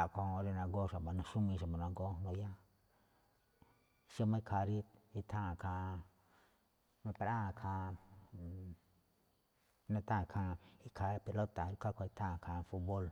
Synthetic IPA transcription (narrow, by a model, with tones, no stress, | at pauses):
a˨ko˧o˧ɾe˧na˧ɡo˦sa˨ba˨nã˧ʃu˦mĩ˧ʃa˨ma˨nã˧ŋɡo˦no˧ja˦ | ʃə˦mã˧i˧kʰa˧ɾi˦t̪̚i˧t̪ʰã˦˨kʰa˧ | ma˧pe˧ɾa˦˨˧kʰa˧ | nã˧t̪ã˦˨˧kʰã˧i˦kʰa˧pi˨˧lo˦t̪a˨˦i˧˦ka˦ko˧i˧t̪ʰã˦˨kʰa˨˧fu˦t̪bo˦l